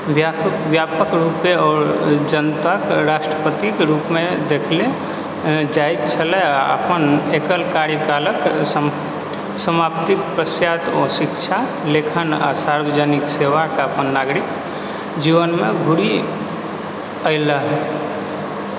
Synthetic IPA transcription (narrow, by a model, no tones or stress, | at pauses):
ʋjaʋjapəkɾupeɔːɾd͡ʒənt̪akɾasʈɾəpət̪ikeɾupmed̪ekʰle | d͡ʒajp̚t͡ʃʰəlɛaə̰pənekəlkaɾjikalək | səmapt̪ik̚pɾəsjat̪ɔsikt͡ʃʰa | lekʰəna̰saɾbəd͡ʒənikseʋakeəpənːaɡɾik | d͡ʒiʋənmeɡʱuɽi | əɪləɦɛ